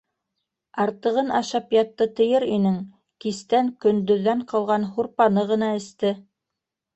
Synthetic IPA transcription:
ɑɾt̪ɤ̆ʁɤnɑʃɑpjɑt̪ːɤt̪ɤ̆jɤɾinɘŋ | kist̪æŋkɵ̆nd̪ɵ̆ðːæɴqɑlˠʁɑnhuɾpɑnɤʁɤ̆nɑɘ̆st̪ɘ

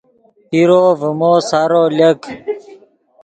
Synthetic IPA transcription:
iɾoːvəmoːsaɾoːlək

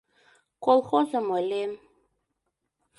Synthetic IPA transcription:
kolˠxozɤ̆mɤlʲem

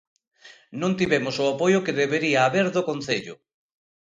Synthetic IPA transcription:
nõnt̪iβemʊsʊapojʊkeðeβeɾiaːβeɾðokonθeʎʊ̰

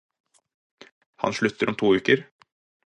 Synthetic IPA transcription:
hɑ̰nʃɭʉt̪ʰəɾɔmt̪ʰuːʉːkəɾ

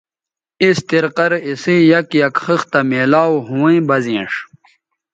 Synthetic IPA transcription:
ist̪iɾqɐɾisijɐkjɐkxɨxt̪ɐmeːlaːwɦũwĩjbɐzĩːʂ

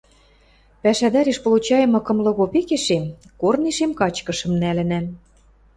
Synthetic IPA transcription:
pæʃæd̪ɑɾeʃpŏlˠut͡ɕɑjɤ̆mɤ̆kɤ̆mlɤ̆ɣopekeʃemkorneʃemkɑt͡ɕkɤ̆ʃɤ̆mnælɘ̆næm

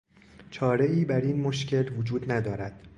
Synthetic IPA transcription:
t͡ʃʰɒːɾeʔiːbæɾiːnmoʃcʰe̞lvod͡ʒuːd̪næd̪ɒːɾæd̪̥

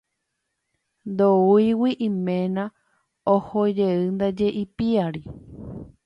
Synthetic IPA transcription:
nd̪oujwiʔĩmẽnã | ohod͡ʒeɨnd̪ad͡ʒe̞ʔipiaɾi

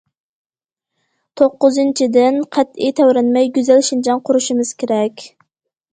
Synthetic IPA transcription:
t̪ʰoqːʊzɨnt͡ʃʰid̪ɪnqʰæt̪ijt̪ʰæwɾɛnmɛjɡʲyzælʃind͡ʒɑŋqʰʊɾuʃimɨz̥kʲʰeɾɛkʲ

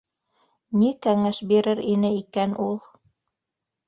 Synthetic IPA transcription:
nikæŋæʃbiɾɘɾinɘikænʔulˠ

